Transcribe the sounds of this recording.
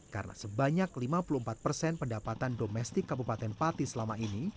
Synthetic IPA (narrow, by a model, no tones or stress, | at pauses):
ka̰rənʔa̰səbaɲaklimapulumpat̪̚pərsɛnpəndapat̪andomɛst̪ɪkːabupat̪ɛnpat̪isəlamaini